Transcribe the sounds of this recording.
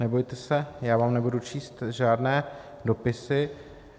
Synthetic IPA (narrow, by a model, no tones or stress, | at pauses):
nɛbo̞jt̪ɛsɛjaːvaːmnɛbudut͡ʃʰiːst̪ʒaːdnɛː | do̞pɪsɪ